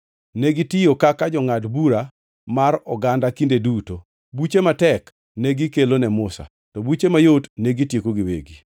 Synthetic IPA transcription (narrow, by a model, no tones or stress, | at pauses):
nɛɡitɪjokakad͡ʒɔŋatbuɾa | marɔɡandakindeduto | but͡ʃematɛk | nɛɡikelonɛmʊsa̰ | tɔbut͡ʃemajotnɛɡitjekoɡɪwḛɡi